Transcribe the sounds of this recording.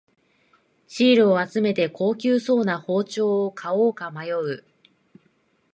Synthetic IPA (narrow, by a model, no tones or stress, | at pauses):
ɕiːɾɯ̟oat͡sɨme̞t̪e̞kʰo̞ːkʲɨːso̞ːnaho̞ːt͡ɕo̞ːkʰaoːkamajo̞ɯ̟